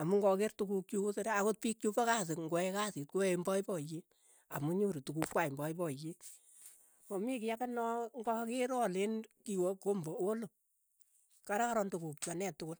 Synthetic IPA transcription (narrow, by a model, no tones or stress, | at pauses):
amuŋɡɔkertukuk̚t͡ʃukusedaakot̚pik̚t͡ʃupakasɪkŋɡoɛkasit̚koembɔibɔji | amuɲuɾitukukwaimbɔibɔji | mɔmikijakanɔŋɡɔkɪɾɔlenkiwɔkombɔolo | kaɾakaɾɔntukuk̚t͡ʃwanɛtːʊkʊl